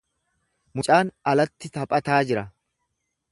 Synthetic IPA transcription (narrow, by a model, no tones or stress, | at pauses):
mʊt͡ʃʼaːnɐlɐt̪ːɪt̪ɐpʼɐt̪aːd͡ʒɪɾɐ